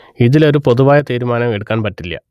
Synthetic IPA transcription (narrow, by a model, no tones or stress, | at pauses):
iðilo̞ɾupoðuʋaːjɐt̪iːɾumaːnɐmeɽukːaːnpɐtːilːɐ̰